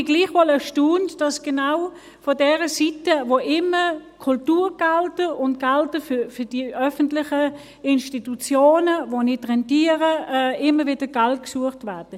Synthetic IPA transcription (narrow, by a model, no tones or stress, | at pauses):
ɡ̥liːχʋɔləʃtuːntd̥ɑsɡ̥enaʊ | fɔdɛːʁəsitəvoʔɪməkʰʊltuːʁɡ̥altəʊntɡ̥altəfyfʏɐd̥iʔœfən̩tlɪχə | ɪnʃtitut͡sjoːnəvonɪtʁɛntiːəʁəɪməvɪd̥əɡ̥alt̚ksuəχtvɛɐd̥ə